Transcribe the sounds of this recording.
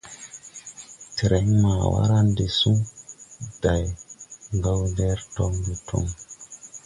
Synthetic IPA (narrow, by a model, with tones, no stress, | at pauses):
ti˨ɾɛ˦ɲma˨wa̰˦ɾa˦nde˨su˦ | d̥a˨jŋɡa˦wndɛ˦ɾtɔŋbɛ˨tʰɔ̰˦ŋ